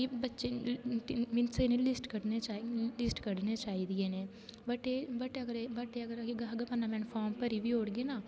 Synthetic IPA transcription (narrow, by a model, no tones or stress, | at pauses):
kibətːʃe | mɪnseːnelɪsʈkəɽneːt͡ʃaːlɪsʈkəɽneːt͡ʃaːiːd̪ijeːneː | bəʈeːbəʈeəɡəɾebəʈeəɡəɾɡɡəbənːaːmɛ̃ːnpʰɔːɾmpəɾiːʋioːɽɡeːnaː